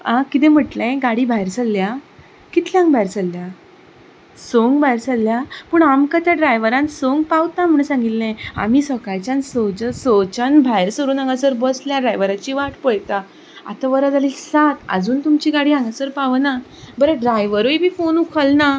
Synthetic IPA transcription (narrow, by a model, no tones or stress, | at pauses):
ãkit̪̬ẽm̤əʈlẽɡaɽiːbʱajɾsalːja | kit̪ʰljãŋɡbajɾt͡salːja | soŋɡbajɾt͡salːjapuːɳamkat̪jaɖɾajʋəɾãnsoŋɡpawt̪am̤uɳ̃sãŋɡit̪lẽa̰miːsəkajt͡ɕansod͡ʑəsot͡ɕanbʱajeɾsəɾuːnãŋɡasəɾbəsljaɖɾajʋəɾat͡ɕiʋaʈpəɭt̪a | a̰t̪aʋəɾad͡zaliːsat̪ə̰d͡zuːnt̪umt͡ɕiːɡaɽiːãŋɡasəɾpaʋna | bəɾeɖɾajʋəɾoibʱiːfonukʰəlna